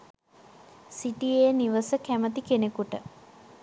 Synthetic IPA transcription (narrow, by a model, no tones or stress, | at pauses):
siʈijejniʋəsəkæmət̪ikenekuʈə